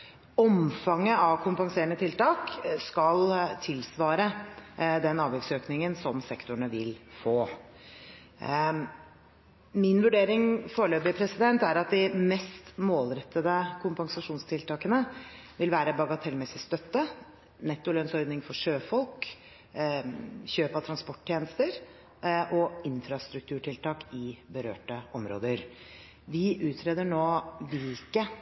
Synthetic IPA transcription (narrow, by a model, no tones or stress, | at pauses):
ɔmfɑŋːəɑʋkʰʊmpɑŋseːɾəɳət̪ʰɪlt̪ɑːkskɑlt̪ʰɪlsʋɑːɾə | d̪ɛnɑːʋjɛksøːknɪŋənsɔmsɛkt̪ʊɳəʋɪlfoː | mɪnʋʉɖeːɾɪŋfoːɾɭøːbɪpʰɾɛsɪd̪ɛnt̪æɾɑt̪̚d̪ɪmɛst̪moːlɾɛt̪ʰːəd̪əkʰʊmpɑŋsɑʂuːnst̪ʰɪlt̪ɑːkənə | ʋɪlʋæːɾəbɑɡɑt̪ʰɛlmɛsɪst̪œt̪ːə | nɛt̪ːʊlœnsɔɾd̪nɪŋfɔʂøːfɔlˠk | çøːpɑt̪ʰɾɑnspɔʈːt̪jeːnəst̪əɾ | ʔɔɪnfɾɑst̪ɾʉk̚t̪ʰʉːʈʰɪlt̪ɑːkɪbəɾø̰ːʈəʔɔmɾo̰ːd̪əɾ | ʋɪʔʉːt̪ʰɾeːd̪əɳoːʋɪlkə